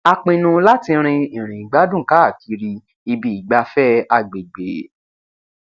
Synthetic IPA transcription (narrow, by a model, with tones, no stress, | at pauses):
a˧k͡pĩ˧nũ˧la˦tĩ˧ɾ̃ĩ˧ĩ˨ɾ̃ĩ˨i˨ɡ͡ba˦dũ˦˨ka˦˨ki˨˧˦ɾi˧ | i˧bi˧i˨ɡ͡ba˨˦fɛ˦a˧˨ɡ͡be˨ɡ͡be˨